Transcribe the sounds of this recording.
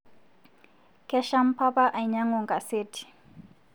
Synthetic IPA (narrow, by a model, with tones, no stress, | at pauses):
kʰɛ˦ʃa˦m̩˦pʰa˦pʼa˦ʔa˨i˨ɲa˦ŋɔ˨ŋkʼa˨seː˦tʰi̥˨